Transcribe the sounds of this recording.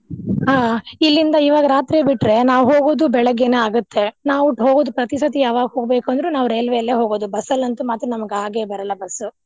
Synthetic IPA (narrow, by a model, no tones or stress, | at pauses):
ɦaːilːind̪ɐiːʋaːɡɐɾaːt̪ɾebiʈɾe̞naːʋuɦoːɡoːd̪ubɛɭɐɡːeneaːɡut̪ʰːe̞naːʋuʈːɦoːɡoːd̪upɾɐt̪isɐt̪ijaːʋaːɡɐɦoːɡbeːkuɐnd̪ɐɾunaːʋɾeːlʋejɐlːeːɦoːɡoːd̪ubɐsɐlːɐnt̪umaːt̪ɾɐnɐmɐɡaːɡebɐɾɐlːɐbɐsu